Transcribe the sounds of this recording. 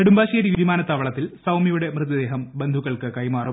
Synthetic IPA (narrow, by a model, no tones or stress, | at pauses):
eɽumbaːɕeːɾiʋiʋimaːnɐt̪ːaːʋɐɭɐt̪ːilsɐwmijuɽe̞mrɨðɐd̪e̞ːɦɐmbend̪ʱuɣːɐɭkɨkɐjmaːrum